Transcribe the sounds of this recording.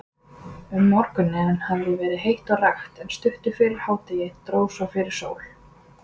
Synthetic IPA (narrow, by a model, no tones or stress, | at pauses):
ʏmːɔɾkʏnːɪnhavɾɪvɛːɾɪðɦejht̪ɔɣraxt̪ɛnst̪ʏht̪ʏfɪːɾɪɾ̥haːwt̪ajɛt̪ɾoːwsawfɪɾɪɾ̥so̰ːwl̥